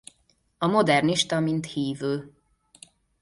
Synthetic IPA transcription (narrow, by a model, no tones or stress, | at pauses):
ɒmo̞d̪ɛrniʃt̪ɒmint̪hiːvøː